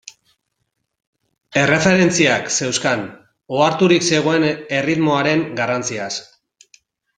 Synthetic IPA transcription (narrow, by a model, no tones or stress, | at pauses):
e̞re̞fe̞ɾe̞nt͡siakse̞wskan | oaɾt̪uɾikse̞ɣ̞o̞e̞ne̞rit̪mo̞aɾe̞ŋɡarant͡sias